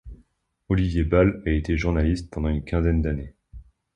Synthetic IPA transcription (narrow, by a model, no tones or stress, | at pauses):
ɔlivjebalaet̪eʒuʁnalist̪̚pɑ̃d̪ɑ̃ynkʲɛ̃zɛnd̪ane